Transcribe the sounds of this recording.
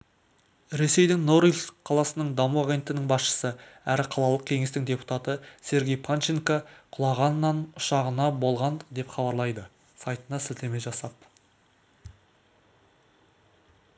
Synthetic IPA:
ɾe̞se̞jd̪ɪŋno̞ɾilsqʰɑlˠɑsənəɴd̪ɑmuaɡʲe̞nt̪ɪnɪŋbɑsʃə̥səæɾɪqʰɑlˠɑlˠəq̚kʲʰe̞ŋe̞st̪ɪŋdʲe̞pu̥t̪ɑt̪əse̞ɾɡʲe̞jpʰant͡ʃiŋkaqʰʊlˠɑʁɑnːɑnʊʃɑʁənɑbo̞lˠʁɑnd̪e̞pχɑbɑɾlˠɑjd̪ə | sɑjt̪ənɑsɪzt̪eme̞ʒɑsɑp

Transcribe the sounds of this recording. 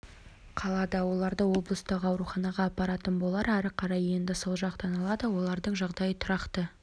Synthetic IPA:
qʰɑlˠɑd̪ɑwo̞lˠɑɾd̪əwo̞blˠəst̪əqɑwɾuχɑnɑʁɑːpːɑɾɑt̪ənbo̞lˠɑɾæɾɪqʰɑɾɑje̞nd̪ɪsolˠʒɑqt̪ɑnɑlˠɑd̪əwo̞lˠɑɾd̪əɴʒɑʁd̪ɑjət̪ʰʊɾɑqt̪ə

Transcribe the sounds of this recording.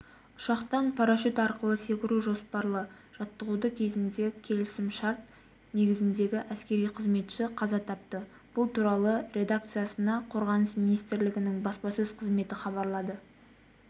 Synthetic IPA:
ʊʃɑqt̪ɑnpʰɑɾaʃut̪ɑɾqəlˠəse̞kʲɪɾuʒo̞spɑɾlˠəʒ̥ɑt̪ːəʁud̪əkʲʰe̞zɪnd̪e̞kʲʰe̞lɪsɪmʃɑɾt̪̚ | ne̞ɡʲɪzɪnd̪e̞ɡʲɪʔæskʲe̞ɾijqʰəzme̞t̪ʃɪqʰɑzɑt̪ʰɑp̚t̪ə | b̥ʊlˠt̪ʰuɾɑlˠəɾʲe̞d̪ak̚t̪sɨjasənɑqʰo̞ɾʁɑnəsminijst̪ɪɾlɪɡʲɪnɪŋbɑspɑsɵzqʰəzme̞t̪ɪχɑβɑɾlˠɑd̪ə

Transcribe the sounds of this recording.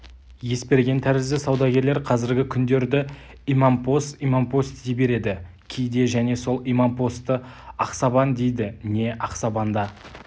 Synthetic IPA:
je̞spe̞ɾɡʲe̞nt̪ʰæɾɪzd̪ɪsɑwd̪ɑɡʲe̞ɾleɾqʰɑzɪɾɡʲɪkʲʰʏnd̪e̞ɾd̪ɪ | imɑmpo̞st̪imampo̞st̪ejbe̞ɾe̞d̪ɪ | kʲʰejd̪e̞ʒæne̞so̞lˠijmampo̞st̪ːəɑqsɑbɑnd̪e̞jd̪ɪne̞ʔɑqsɑbɑnd̪ɑ

